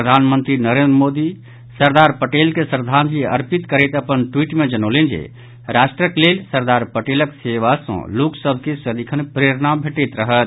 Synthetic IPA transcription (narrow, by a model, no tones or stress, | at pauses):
ɾəd̪ʱanmənt̪ɾinəɾẽnd̪ɾəmod̪i | səɾd̪aɾpəʈelkesɾd̪ʱand͡ʒiə̰ɾpit̪kəɾɛt̪əpənʈwiʈmed͡ʒənəlend͡ʒḛ | ɾaʃʈɾəklelsəɾd̪aɾpəʈeləkseʋasə̰̃loksəbʱkesəd̪ikʰənpɾeɾnabʱeʈɛt̪ɾəɦət̪